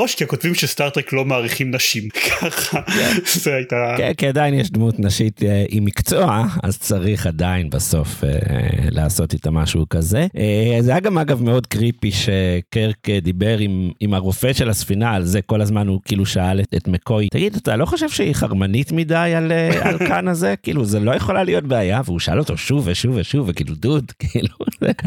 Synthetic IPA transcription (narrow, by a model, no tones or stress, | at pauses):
oʃkiakotvimʃestaʁt̪ʁeklo̞maːʁiχimnaʃimkʰaχaezeajitakenkiadainjɛʃdmutnaʃiteʔimikt͡so̞aa̰zt͡saʁiχadainbaso̞fḛla̰ːso̞titamaʃukaze̞ezejaɡamaɡavme̞o̞dkʁipiʃekeʁked̪ibe̞ʁimimaʁofeʃelasfinaːlzeko̞lazmanukiiluʃaaletetmeko̞jtaɡidatalo̞χoʃevʃeiχa̰ʁmanitmidajalealkanaze̞kḭːluzelojeχo̞lalijotbeajaveuʃaalo̞to̞ʃuveʃuveʃuvekḭlududkiːluvḛ